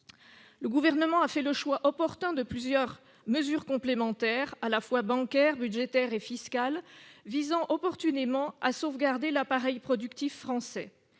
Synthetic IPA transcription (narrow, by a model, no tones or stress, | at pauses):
ləɡuvɛʁnəmɑ̃afɛləʃwaʔɔpɔʁt̪ɛ̃d̪əplyzjœʁ | məzyʁkɔ̃plemɑ̃t̪ɛʁalafwabɑ̃kʲɛʁbydʒet̪ɛʁefiskalvizɑ̃ʔɔpɔʁt̪ynemɑ̃asovɡaʁd̪elapaʁɛjpχɔd̪ykt̪ifːχɑ̃sɛ